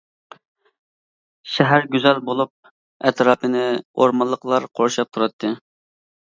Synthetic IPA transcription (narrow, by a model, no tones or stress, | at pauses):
ʃɛɦæɾɡʲyzɛlbolˠup̚ | ɛt̪ɾɑːpʰɨnɪoɾmɑlˠːəqlˠɑɾqʰoɾʃɑp̚t̪ʰuɾɑt̪ʰːɨ